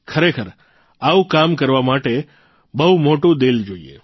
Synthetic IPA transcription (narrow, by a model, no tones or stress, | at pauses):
kʰəɾekʰəɾ | aũkamkəɾʋamaʈe | bəɦumoʈũd̪eld͡ʒoḭḛ